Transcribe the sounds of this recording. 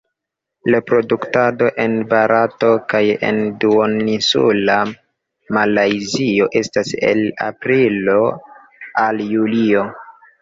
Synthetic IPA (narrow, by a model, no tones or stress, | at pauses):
lapɾo̞duktado̞ʔe̞nbaɾato̞kajḛnduonisṵla | malajzio̞ʔe̞stase̞̰la̰pɾilo̞ | aljulio̞